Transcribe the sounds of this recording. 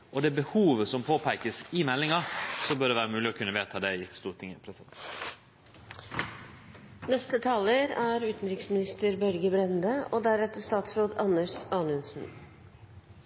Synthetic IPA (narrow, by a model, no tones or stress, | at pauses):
ʔɔd̪ɛːbəhuːʋəsɔmpʰoːpʰæɪkəsɪmɛlːɪŋɑsɔmbøːɖɛːʋæːɾəmʉːlɪɔkʰʉnːəʋeːt̪ʰɑːd̪ɛɪɪst̪uːɾʈʰɪŋəpʰɾɛsɪd̪ɛ̰ | nɛst̪ət̪ʰɑːləɾæːɾʉːt̪n̩ɾɪksmɪnɪst̪əɾbœɾɡəbɾɛnd̪əoːd̪æɾɛt̪ːəst̪ɑːt̪sɾoːd̪ɑnəʂɑːnʉnsn̩